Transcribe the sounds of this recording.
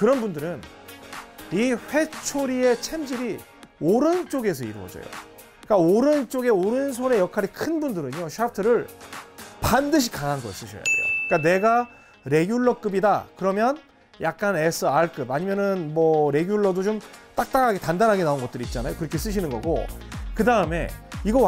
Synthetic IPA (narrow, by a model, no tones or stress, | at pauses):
kɯɾʌnbundɯɾɯn | iɸwe̞t͡ɕʰoɾie̞t͡ɕʰe̞md͡ʑiɾi | oɾɯnt͡ɕ͈oɡe̞s̬ʰʌḭɾɯwʌ̰d͡ʑʌ̰jo̰ | k͈aoɾɯnt͡ɕ͈oɡeoɾɯns̬ʰone̞jʌkʰaɾikʰɯnbundɯɾɯɲoɕʰap̚ʰtʰɯɾɯɭ | pandɯɕ̬ʰi̥kaŋɦanɡʌis͈ɯɕʰʌ̰ja̰dḛjo̰k͈ane̞ɡa | ɾe̞ɡjuɭːʌk͈ɯbidakɯɾʌmjʌn | jak̚k͈anesʰɯaɭk͈ɯbaɲimjʌnɯnmʌɾe̞ɡjuɭːʌdot͡ɕomt͈ak̚t͈aɡaɡetandanɦaɡe̞naonɡʌt͈̚ɯɾit̚t͡ɕ͈anajokɯɾʌkʰe̞s͈ɯɕ̬ʰinɯnɡʌ̰ɡo̰kɯdaɯme̞̰iɡʌ